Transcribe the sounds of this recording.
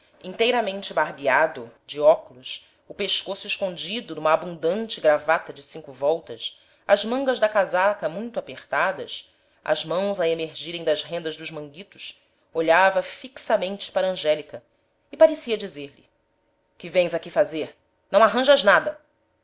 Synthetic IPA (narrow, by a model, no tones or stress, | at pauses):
ĩnt̪ejɾɐmẽnt͡ʃɪbaɾbiad̪ʊd͡ʒɪɔkulʊs | ʊpeʃkosʊɪʃkõnd͡ʒid̪ʊnũmɐːbũnd̪ɐ̃nt͡ʃɪɡɾavat̪ɐd͡ʒɪsĩŋkʊvɔwt̪ɐs | ɐzmɐ̃ŋɡɐʒd̪ɐkazakɐmũj̃t̪ʊapeχt̪ad̪ɐ̰s | ɐ̰zmɐ̃w̃zɐemeɾʒiɾẽj̃d̪ɐzɦẽnd̪ɐzd̪ʊʒmɐ̃ŋɡit̪ʊ̥s | oʎavɐfiksɐmẽnt͡ʃɪ̥paɾɐɐ̃ʒɛlikɐ | ɪpaɾesiɐd͡ʒizeɾlɪ̰ | kɪvẽj̃zakifazeɾ | nɐ̃w̃aɦɐ̃ʒɐʒnad̪ɐ